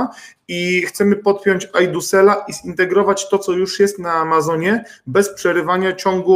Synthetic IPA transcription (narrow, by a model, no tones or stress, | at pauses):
ixt̪sɛmɘpɔt̪̚pʲjɔɲt͡ɕajd̪usɛlaʔizint̪ɛɡɾɔvat͡ɕt̪ɔt̪sɔjuʂjɛst̪naːmazɔɲɛbɛspʂɛɾɘvaɲat͡ɕɔŋɡu